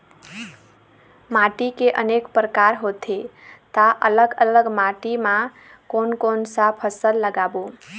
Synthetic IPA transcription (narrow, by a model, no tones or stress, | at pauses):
maʈikeʔənekpɾəkaɾɦot̪ʰet̪aʔələɡələɡmaʈimã | konkonsapʰəsəlːəɡabo